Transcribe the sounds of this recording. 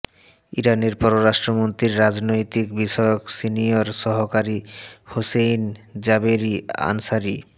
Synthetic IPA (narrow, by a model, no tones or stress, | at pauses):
iɾaneɾpɔɾoɾaʃʈɾomont̪ɾiɾːad͡ʑnojt̪ikbiʃɔeoksinioɾʃɔɦokaɾihosejnd͡ʑabeɾia̰nsaɾi